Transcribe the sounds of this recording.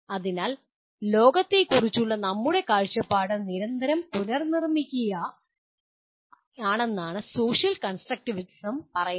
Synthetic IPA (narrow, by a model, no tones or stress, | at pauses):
ɐðinaːl | lo̞ːɡɐt̪ːelkurit͡ɕːuɭːɐnɐmːuɽe̞kaːɻt͡ɕːɐpːaːɽɨniɾɐnd̪ʱɐɾɐmpulɐrnirmikʲːuɣɐ | aːɳe̞nːaːɳɨso̞ːɕjɐlkɐnsʈrɐk̚ʈiʋiʈi̥sɐmpɐrɐju